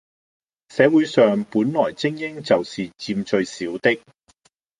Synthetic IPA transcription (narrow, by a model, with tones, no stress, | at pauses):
sɛː˨˧wu˨˥jsœː˨ŋpuː˨˥nlɔː˨˩jt͡sɪ˥ŋjɪ˥ŋt͡sɐ˨wsiː˨t͡siː˧mt͡ʃɵ˧ɥsiː˨˥wt̪ɪ˥k̚